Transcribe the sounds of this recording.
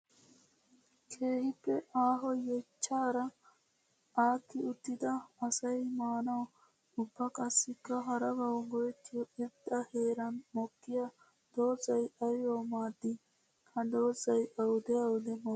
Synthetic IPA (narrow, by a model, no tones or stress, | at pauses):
kʰeːɦipeʔaːɦojet͡ʃʰaːɾɐ | aːkʰiut̪id̪ɐɐsɐimaːnɐw | upʰɐkɐsikɐɦɐɾɐbɐwɡojt̪ʰioed̪ɐheːɾɐnmokːijɐ | d̪̥oːzɐjʔɐjoːmaːd̪i | kʰɐd̪oːzɐjʔɐwd̪eɐwd̪emo